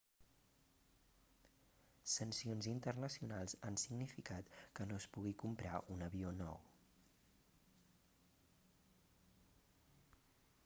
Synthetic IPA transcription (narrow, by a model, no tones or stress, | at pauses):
sənsionzint̪ərnəsiunalˠzansiɡnifikat̪kənospuɣikumpɾaʔunəβionɔw